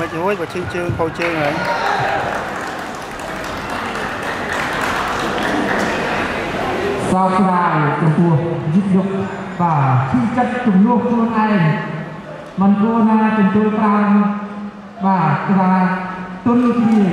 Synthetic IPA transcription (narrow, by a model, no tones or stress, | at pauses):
mɨc̚huəj̚ɓat͡ɕʰiːt͡ɕəːŋkʰoːt͡ɕəːŋaj | sɑːp̚sraːjt͡ɕɔmp̪ʊuəhzit̪̚ɗʊk̚ | ɓaːt͡ɕʰit͡ɕət̪̚t͡ɕumlʊəhkʰluənʔaɛŋ | mɨnkuənaːt͡ɕɔmt̪uəlt̪am | ɓaːtʰɾaːt̪ʊənkʰniə